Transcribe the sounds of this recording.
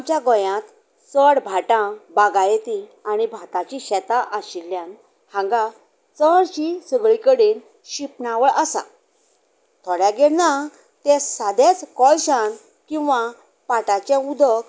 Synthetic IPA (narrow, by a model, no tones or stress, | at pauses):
mt͡ɕjaɡɔ̃jãt̪ | səɽbʱaʈãbaɡajet̪iaɽ̃ibʱat̪at͡ɕiɕɛt̪aʔəɕilːjãn | hãŋɡã | t͡səɽɕisəɡɭikəɽiːn | ɕipnaʋəɭʔəsa̰ | t̪ʰɔɽjãɡɛɽna | t̪ɛsad̪et͡skɔlɕan | kĩw̃ʋa | paʈat͡ɕẽud̪ʱək